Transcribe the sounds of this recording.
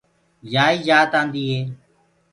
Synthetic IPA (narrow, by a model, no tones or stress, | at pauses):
d͡ʒaːiːd͡ʒaːt̪ãːnd̪iːɦeː